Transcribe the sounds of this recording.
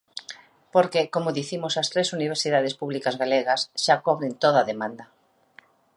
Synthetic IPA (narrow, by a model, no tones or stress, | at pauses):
poɾkekomʊðiθimʊsɐst̪ɾesuniβeɾsiðaðespuβlikazɣaleɣɐsʃakɔβɾent̪oðaðemãnd̪ɐ